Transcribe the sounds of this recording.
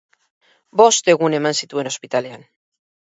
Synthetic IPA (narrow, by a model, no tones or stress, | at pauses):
bo̞st̪e̞ɣ̞une̞mansit̪ue̞no̞spit̪ale̞an